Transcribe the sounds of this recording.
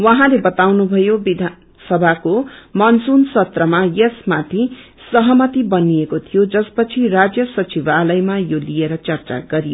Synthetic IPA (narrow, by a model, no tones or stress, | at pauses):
wʌɦãlebʌt̪awnubʱʌjobid̪ʱan | sʌbʱakomʌnsunsʌt̪rʌmajesmat̪ʰi | sʌɦʌmʌt̪ibʌniekot̪ʰijod͡zʌspʌt͡sʰirad͡zjʌsʌt͡sibalʌjmajolijeɾʌt͡sʌrt͡sa̰ɡʌɾijo